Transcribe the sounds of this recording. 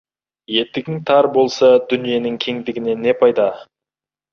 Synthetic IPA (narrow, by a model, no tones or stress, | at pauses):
je̞t̪ːɪɡʲɪŋt̪ʰɑɾbo̞lˠsɑd̪ʏnije̞nɪŋkʲʰe̞ŋd̪ɪɡʲɪne̞ne̞pʰɑjd̪ɑ